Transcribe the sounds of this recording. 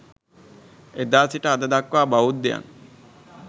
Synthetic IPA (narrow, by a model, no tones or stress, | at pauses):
ed̪asiʈaad̪ad̪akːoabaut̪̚d̪eja̰n